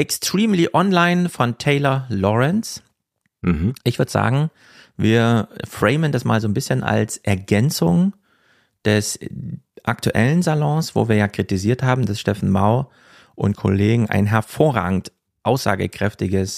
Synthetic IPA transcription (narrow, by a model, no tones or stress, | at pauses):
ʔɛkstʁ̥iːmliʔɔnlaɪnfɔntʰeɪlɐlɔʁɛns̩ | ʔɪçv̥ʏɐdəz̥a̰ːɡŋ̩ | viːɐfʁ̥ɛɪməndasmaːlzoːnbɪsçənʔa̰lsʔɛɐɡɛnt͡sʊŋ | d̥ɛs | ʔaktuʔɛ̰lənzalɔ̃ːsv̥o̰ːviːɐjaːkʁ̥itiziːɐthaːbm̩dasʃtɛfn̩maʊ | ʔʊ̰nt̚kʰo̰leːɡŋ̩ʔa̰ɪnɦɛɐfoːʁa̰ːɡŋ̩t | ʔaʊsz̥a̰ːɡə̰kʁ̥ɛftɪɡəs